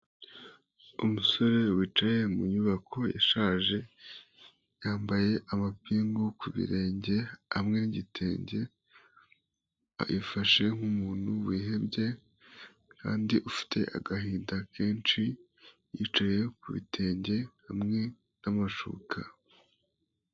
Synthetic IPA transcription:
umuso̞ɾe̞wiːt͡ʃaje̞muɲuβakʰo̞ja̰ʃaːʒe̞ | jaːmbaje̞ʔamapiːŋɡukuβḭɾe̞ːɲɟe̞hamŋe̞niɟitʰe̞ːɲɟe̞ | aifaʃe̞ŋ̥umuːn̥huwiːɦe̞bɟe̞ | ka̰ːndiʔufi̥tʰe̞ʔa̰ɡaɦiːndake̞ːnt͡ʃi | jḭt͡ʃaje̞kuβḭtʰe̞ːɲɟe̞hamŋe̞ | namaʃṵːkʰa

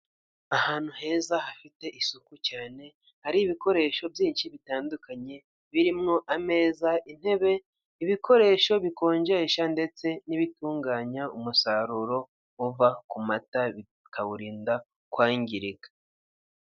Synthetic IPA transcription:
ahaːn̥huɦe̞ːzahafite̞ʔisukucaːne̞ | haɾiːβiko̞ɾe̞ːʃo̞bjiːnʃiβitaːndukaɲe̞ | βiɾimŋo̞ʔame̞ːzaʔin̥he̞βe̞ | iβiko̞ɾe̞ːʃo̞βiko̞ːɲɟeʃande̞t͡se̞niβituːŋɡaːɲaumusaɾuɾo̞ | uvakumataβi | kaβuɾiːnda | kwaːɲɟiɾiɡa

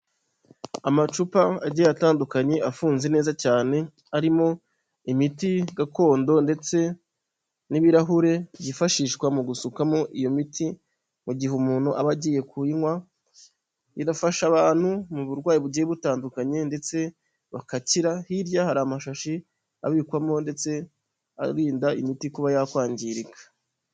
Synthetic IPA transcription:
amat͡ʃupaaɟijjataːndukaɲe̞ʔafuːnze̞ne̞ːzacaːne̞ | aɾimo̞ | imitiɡako̞ːndo̞nde̞t͡se̞ | niβiɾaɦuɾe̞ɟifaʃiːʃkwamuɡusukamo̞ʔijo̞mitʰi | muɟiɦumuːnhuʔaβaɟiːje̞kuiŋwa | iɾafaʃaβaːn̥humuβuɾɡwaːjiβuɟijeβutaːndukaɲe̞nde̞t͡se̞ | βakaciɾahiɾjahaɾaːmaʃaʃi | a̰βiːkwamo̞nde̞t͡se̞ | a̰ɾiːndaimitikuβajakwaːɲɟiɾikʰḁ

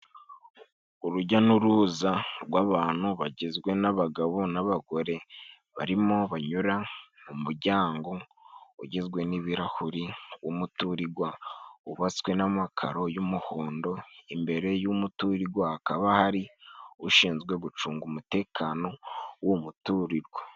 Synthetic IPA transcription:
uɾuɟanuɾuzaɾɡwaːβaːn̥huβaɟezɡwe̞naβaɡaβo̞naβaɡo̞ɾe̞ | βaɾimo̞βaɲuɾamumuɾɟaːŋɡo̞ | uɟezɡwe̞niβiɾahuɾiwumutuɾiɡwauβat͡skwe̞namakʰa̰ɾo̞jumuhoːndo̞imbe̞ɾe̞jumutuɾiɡwaːkaβahaɾiuʃiːnzɡwe̞ɡut͡ʃuːŋɡumute̞ːkʰaːno̞womutuɾiɾɡwa

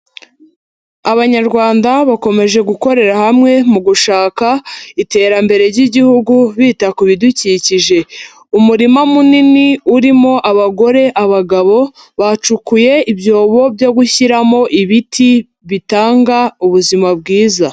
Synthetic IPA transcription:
aβaɲaɾɡwaːndaβako̞me̞ʒe̞ɡuko̞ɾe̞ɾahamŋe̞muɡuʃaːkaite̞ːɾambe̞ɾe̞ɾɟiɟihuɡuβiːtakuβiduciːciʒe̞ | umuɾimamuniniuɾimo̞ʔaβaɡo̞ɾe̞ʔaβaɡaβo̞ | βat͡ʃukuje̞ibjo̞ːβo̞bjo̞ɡuçiɾamo̞ʔiβitʰi | βitaːŋɡauβuzimab̚ɡiːza

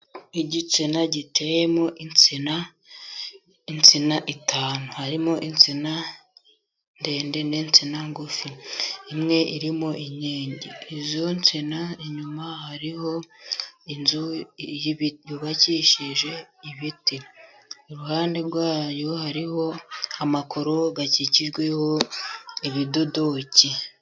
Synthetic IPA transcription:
iɟit͡sinaɟite̞jemoʔint͡sina | int͡sinaʔitʰaːnuhaɾimoʔint͡sina | nde̞ːnde̞nent͡sinaŋɡufiimŋe̞ʔiɾimo̞ʔiɲeːɲɟḛizo̞nt͡sinaiɲumahaɾiho̞ | inzujjuβaciʃiʒe̞iβiti | oɾuhaːnde̞ɾɡwaːjo̞haɾiho̞amakʰo̞ɾo̞ɡaciciʒɡwe̞ho̞ | iβido̞do̞ci

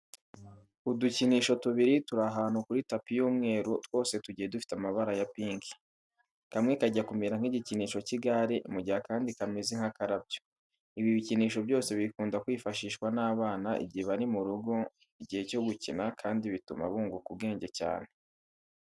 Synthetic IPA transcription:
uduciniːʃo̞tuβiɾituɾaɦaːn̥hukuɾitapijuːmŋe̞ːɾotwo̞ːse̞tuɟije̞dufi̥tamaβaɾajapiːŋkʰi̥ | kamŋekaɟakumiɾaŋ̥hiɟiciniːʃo̞ciɡaɾiʔmuɟihakaːndikamiziŋhakaɾabɟo | iβiβiciniːʃo̞bjo̞ːse̞βikuːndakwiːfaʃiːʃkwanaːβaːnaʔḭɟieβaɾimuɾuɡo̞ | iɟiheco̞ɡucinakʰaːndiβituma̰βuːŋɡukub̚ɡe̞ːɲɟe̞ca̰ːn̥e̞

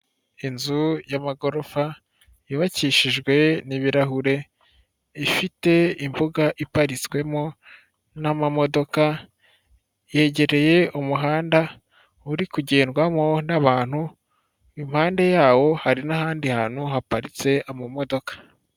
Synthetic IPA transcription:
inzujamaɡo̞ɾofa | jiβaciʃiʒɡwe̞niβiɾaɦuɾe̞ | ifite̞imbuɡaʔipaɾit͡sɡwe̞mo̞ | namamo̞do̞ka | je̞ɟe̞ɾe̞je̞umuɦaːnda | uɾikuɟeːnɡwamo̞naβaːn̥hu | imhaːnde̞jaːwo̞haɾinahaːndihaːn̥uɦapaɾit͡se̞amamo̞do̞kḁ

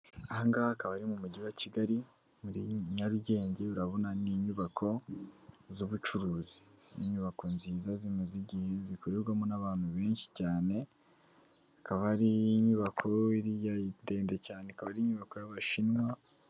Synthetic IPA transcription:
aŋɡaːkaβaɾimumuɟiwaciɡaɾi | muɾiɲaɾuɟe̞ːɲɟe̞ɾuɾaβo̞naniːɲuβakʰo̞ | zuβut͡ʃuɾuːzi̥ziniɲuβako̞nziːzazinuziɟihezikuɾiɾɡwamonaβaːn̥huβe̞ːnʃi̥caːne̞ | akaβaɾiːɲuβakʰo̞iɾijade̞ːnde̞caːneakaβaɾiɲuβako̞jaβaʃinwa

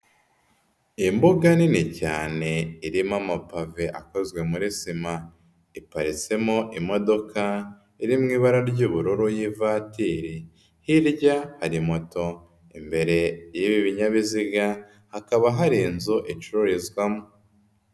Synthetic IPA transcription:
imbuɡaninica̰ːne̞iɾimamapave̞ʔako̞zɡwe̞muɾisima | ipaɾit͡se̞moʔimo̞do̞ka | iɾimŋiːβaɾaɾɟuːβuɾuɾujivatiːɾi | hiɾɟahaɾimo̞to̞ | imbe̞ɾe̞jiβiβiɲaβiziɡa | hakaβaɦaɾiːnzoʔit͡ʃuɾuɾizɡwamo

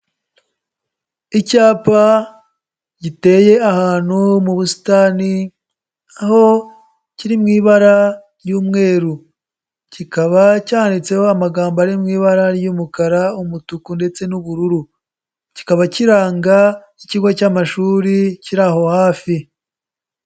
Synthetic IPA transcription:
icaːpa | ɟite̞ːje̞ahaːn̥humuβusi̥tani | aho̞ | ciɾimŋiːβaɾaɾjuːmŋe̞ːɾu | cikaβacaːandit͡se̞hoamaɡaːmbaɾimŋiːβaɾaɾjuːmukaɾaumutukunde̞t͡se̞nuβuɾuɾu | ci̥kaβaciɾaːŋɡa | iciɡwacamaʃuːɾiciɾaho̞haːfi

